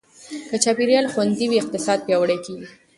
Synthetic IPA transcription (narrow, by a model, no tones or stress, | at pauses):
kət͡ʃɑpiɾjɑlxwand̪iwiɪq̚t̪ɪsɑd̪̚pjɑwəɽajkeɡi